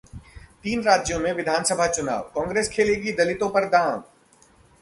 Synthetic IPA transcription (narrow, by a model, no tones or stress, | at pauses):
t̪iːnɾaːd͡ʒjõmẽʋɪd̪ʱaːnsəbʱat͡ʃʊna̰ːʋkɔ̃ːŋɡɾeːskʰeːleːɡid̪ɐlɪt̪õpɐɾd̪aːm